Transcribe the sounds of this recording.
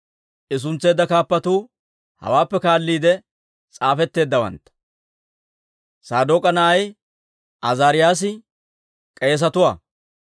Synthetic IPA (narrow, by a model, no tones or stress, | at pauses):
ʔɪs̬ʊnt͡sːe̞ːd̪ːɐkaːpːɐt̪uː | hɐ̰waːpːɛkaːlːiːd̪ɛ | t͡sʼaːfɛt̪ːe̞ːd̪ːɐwɐ̰nt̪ːɐ̥ | saːd̪oːkʼɐnɐɐj | ʔɐzaːɾɪjaːs̬ɪ | kʼe̞ːs̬ɐt̪ʊwa̰ː